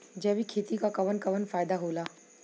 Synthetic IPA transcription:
d͡ʒɛʋikʰeːt̪ikakɐʋənkɐʋənfaːɪd̪aɦoːlaː

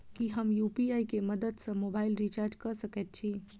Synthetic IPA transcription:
kiɦəmjuːpiaikeməd̪əd̪sə̃moːbaːɪlɾit͡ʃaːɾd͡ʒkəɾsəket̪̚t͡ʃʰiː

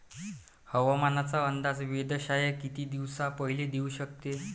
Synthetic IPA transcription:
həʋamanat͡saənd̪ad͡zʋed̪əɕajəkit̪iːd̪iʋsapəɦiled̪euɕək̚t̪e

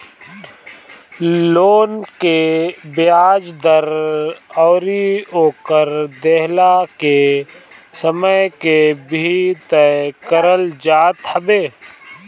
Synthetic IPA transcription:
loːnkebeaːd͡ʒd̪əɾɔːɾioːkəɾd̪eɦlake | səməjkebʱit̪əkəɾəld͡ʒaːt̪həbeː

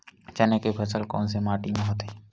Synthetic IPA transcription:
t͡ʃɐnekepʰɐsəlkɔ̰ːnsemaːʈimẽɦoːt̪eɦ

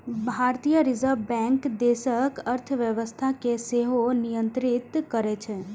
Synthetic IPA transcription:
bʱaɾt̪ijəɾizəɾʋbɛ̃ŋkd̪eʃəkəɾt̪ʰʋjəʋəst̪ʰakeseɦonijə̃nt̪ɾit̪kəɾet͡ʃʰe

